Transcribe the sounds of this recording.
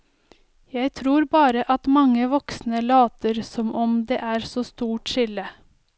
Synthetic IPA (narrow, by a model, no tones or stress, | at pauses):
jæɪt̪ʰɾuːɾbɑːɾəʔɑt̪mɑŋːəʋɔksnəlɑːt̪əɾsɔmʔɔmd̪ḛːʔæːɾsoːst̪uːʈʃɪlə